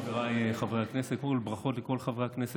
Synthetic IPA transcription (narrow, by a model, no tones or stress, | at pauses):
veʁaajeχavʁehakneset̚kmolbʁaχo̞t̪leko̞lχavʁehaknese